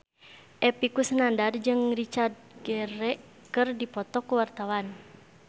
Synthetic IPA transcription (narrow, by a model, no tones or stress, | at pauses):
ʔɛpikusənandard͡ʒɨŋrit͡ʃard̪̚ɡɛɾɛʔ | kɨrdipɔt̪ɔkuwart̪awan